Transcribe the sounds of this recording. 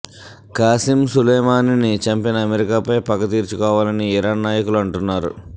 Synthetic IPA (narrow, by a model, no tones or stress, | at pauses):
kaːsimsulɐjmaːninit͡ʃɐmpinɐːmeɾikaːpɐjpɐɡɐt̪iːɾt͡ʃukɔːʋaːlɐniːɾaːnːaːjɐkuluɐɳʈunːaːɾṵ